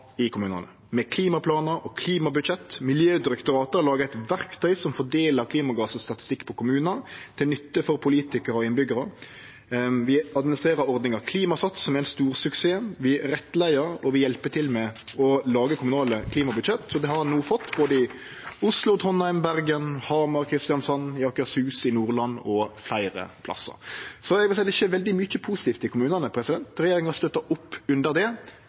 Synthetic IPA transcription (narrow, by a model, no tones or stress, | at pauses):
ɪkʰʊmʉːnɑ̰nə | mɛkʰliːmɑpʰlɑːnəɾɔkʰliːmɑbʉd̪ʃɛt̪ːmɪljøːd̪ɪɾɛkt̪ʊɾɑːt̪əɾlɑːɡəɛɪt̪ʋæɾkt̪ʰœʏsɔmfɔɖeːləɾkʰliːmɑɡɑːsɔst̪ɑt̪ɪ̥st̪ɪkːpʰɔkʰʊmʉːnət̪ʰɪlnʏt̪ːəfɔɾpʰʊliːt̪ɪkəɾəɔɪnbʏɡəɾə | ʋɪɑd̪mɪnɪst̪ɾeːɾəɾɔɾd̪nɪŋɑkʰliːmɑsɑt̪ːsɔmæɾɛnst̪uːɾsʉkseːʋɪɾɛt̪ːlæɪəɾɔʋɪjɛlpət̪ʰɪlmɛɔlɑːɡəkʰʊmʉnɑːləkʰliːmɑbʉd̪ʃɛt̪ːsɔd̪ɛhɑɾnuːfɔt̪ːboːd̪əɪ | ʊslʊt̪ʰɔnːɑɪmbæɾɡənhɑmɑɾkʰɾɪst̪ɪjɑnsɔnjɑːkʉɑshʉːsɪnuːɾlɑnːɔflæɪɾə̰pʰlɑ̰sːə̰ɾsɔɛɡʋɪsæɪd̪ɛɪçːəʋɛld̪ɪmʏc͡çəpʰusɪt̪ʰiːft̪ɪkʰʊmʉːnənəpʰɾɛsɪd̪ɛnt̪ɾɛjeːɾɪŋɑst̪œt̪ːɑʊpːʉnd̪əɾd̪ɛ